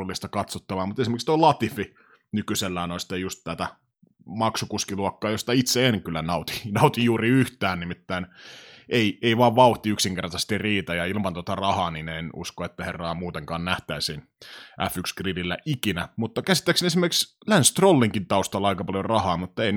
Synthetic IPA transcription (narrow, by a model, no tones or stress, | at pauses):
ulːist̪ɑkɑt̪sot̪ːɑʋɑːmut̪esimerkikst̪oilɑt̪ifi | nykyselːæːnoist̪ɑjust̪t̪æt̪æ | mɑksukuskiluɑkːɑːjost̪ɑit̪seenŋkylːænɑut̪i̥nɑut̪ijuːriyht̪æːnnimit̪ːæːnʔeieiʋɑːʋʋɑuht̪iyksiŋkert̪ɑst̪irriːt̪æjɑilmɑnt̪ot̪ɑrɑhɑːninenṵskoet̪ːæherːɑːmuːt̪eŋkɑːnnæht̪æisin | ʔæ̰fykskrililːæʔikinæmut̪ːɑkæsi̥t̪ːæiksenesimerkikslænst̪rolːiŋkint̪ɑust̪ɑlːɑɑikɑpɑljorɑhɑːmut̪ːei